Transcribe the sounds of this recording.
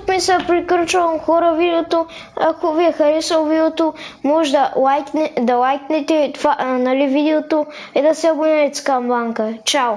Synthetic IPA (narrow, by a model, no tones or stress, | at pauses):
kmisɛpɾikəɾt͡ʃɐmxɔɾɐvid̪ɛot̪o | akoviɛxɐɾisɐlˠvid̪ot̪omɔʒd̪ɐlˠajknd̪ɐlˠajknɛt̪ɛt̪vanɐlivid̪ɛot̪o | ɛd̪asʲabʊnɛɛt̪skamlˠaŋkɐt͡ʃaw